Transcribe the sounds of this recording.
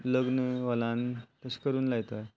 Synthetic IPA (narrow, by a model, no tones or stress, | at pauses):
ləɡnəʋəlãnt̪əɕkəɾuːnlaɡt̪a